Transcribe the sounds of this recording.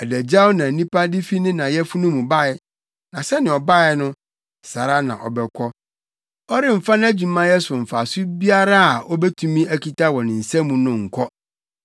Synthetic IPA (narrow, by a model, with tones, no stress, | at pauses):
ɛ˨dæ˨d͡ʑa˦wʊ˦nã˨nĩ˦pʰa˦dɪ˦fi˦nɪ̃˦nã˨jɛ˦fu˦nũ˦mũ˨ba˦˨ɪ˦ | nã˨sɛ˦nɪ̃˨ɔ˨ba˦˨ɪ˨˦nʊ̃˦ | sa˨ɾa˦nã̰˨ʔɔ̰˨bɛ˨kʷʰɔ˦ | ɔ˦ɾɪ˦m̩˨fa˦ñ˦æ˦d͡ʑu˨mã˦jɛ˦sʊ˨m̩˨fa˨sʊ˦bi˦a˦ɾa˦a˨ʔɔ˦bɛ˦tʰũ˦mĩ˦æ˨kʰi˦tʰa˦wɔ̃˨nɪ̃˨n̩˨sɛ̃˦mũ˨nʊ̃˦ŋ̩˨kʰɔ˦